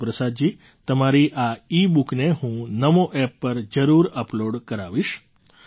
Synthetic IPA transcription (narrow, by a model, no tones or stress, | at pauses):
pɾəsad̪̚d͡ʒi | t̪əmaɾiʔaibukneɦũnəmoʔɛpːəɾd͡ʒəɾuɾəploɖkəɾaʋiʃ